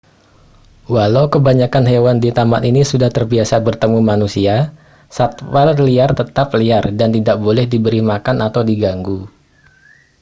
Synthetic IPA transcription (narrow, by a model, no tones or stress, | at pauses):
walawkəbaɲakanɦewandit̪amanʔinisudaht̪ərbiasabərt̪əmumanusia | sat̪warliart̪ət̪apliardant̪idaʔ̚bolɛhdibəɾimakanʔat̪awdiɡaŋɡu